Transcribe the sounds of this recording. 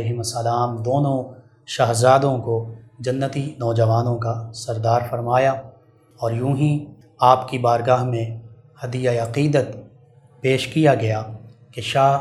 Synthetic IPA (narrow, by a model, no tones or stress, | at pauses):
ɪɦɪmɐsːɐlaːmd̪oːnõ | ʃaːɦzaːd̪õkod͡ʒɐnːət̪inɔːd͡ʒɐʋaːnõkasɐɾd̪aːɾfɐɾmaːja | ɔːɾjũːɦĩ | aːpkibaːɾɡaːɦmẽ | hɐd̪ijaeɐqiːd̪ət̪ | peːʃkijaɡɐjakeʃaː